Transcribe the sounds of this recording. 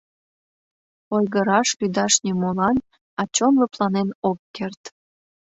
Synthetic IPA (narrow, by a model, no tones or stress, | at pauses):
ojɣəɾɑʃlyd̪ɑʃnʲimolɑn | ɑt͡ɕonloplɑnenokːert̪